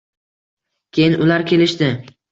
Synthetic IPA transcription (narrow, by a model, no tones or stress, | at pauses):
kʲʰejɪnʊlaɾkʲʰe̞lɪʃd̪ɪ